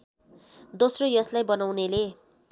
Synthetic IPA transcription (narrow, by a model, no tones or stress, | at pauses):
d̪osrojʌslajbʌnawnele